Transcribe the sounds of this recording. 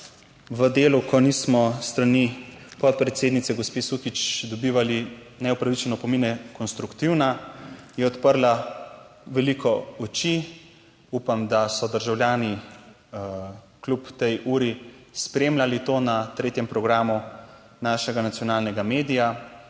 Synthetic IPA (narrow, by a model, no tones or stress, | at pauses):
ʋəd̪eːlukɔniːsmɔst̪ɾanipɔt̪̚pɾɛt̪seːd̪nit̪sɛɡɔspesukit͡ʃd̪ɔbiːʋali | nɛɔpɾaʋit͡ʃɛnɔpɔminɛkɔnst̪ɾukt̪iwnajɛɔt̪pəɾla | ʋɛlikɔɔt͡ʃi | upamd̪asɔd̪əɾʒawlʲjaːni | klupt̪ɛjʔuːɾispɾeːmlalit̪oːnat̪ɾeːt̪jɛmpɾɔɡɾaːmu | naːʃɛɡanat̪sjɔnaːlnɛɡameːd̪ija